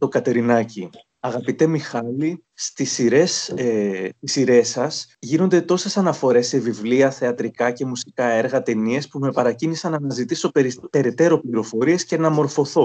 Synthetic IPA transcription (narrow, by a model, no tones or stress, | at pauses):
t̪o̞kɐt̪e̞ɾinɐci | ɐɣɐpit̪e̞mixɐli | st̪isiɾe̞set̪isiɾe̞sɐsʝino̞nd̪e̞t̪o̞se̞sɐnɐfo̞ɾe̞sːe̞vivliɐθe̞ɐt̪ɾikɐce̞musi̥kɐe̞ɾɣɐt̪e̞nie̞spume̞pɐɾɐcinisɐnɐnɐzit̪iso̞peɾipe̞ɾe̞t̪e̞ɾo̞pliɾo̞fo̞ɾie̞sce̞nɐmo̞ɾfo̞θo̞